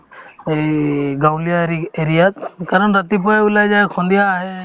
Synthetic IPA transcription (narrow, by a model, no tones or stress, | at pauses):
ɡawlijaɾieɾijat̪̚kaɾənɾət̪ipɔulajd͡ʒaekʰɔ̃nd̪ijaːɦe